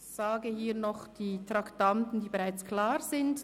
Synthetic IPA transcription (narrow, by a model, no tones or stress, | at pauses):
z̥aːɡəhiːɐnɔχd̥iːtʁ̥aktantn̩diːbeʁaɪt͡skʰlaːʁzɪnd